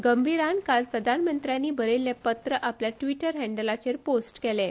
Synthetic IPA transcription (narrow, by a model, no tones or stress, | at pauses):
ɡəmbʱiɾankalpɾəd̪ʱanmənt̪ɾjanːiːbəɾelːjapət̪ɾəʔapljaʈʋiʈəɾɦɛɳɖəlat͡ɕeɾposʈkɛle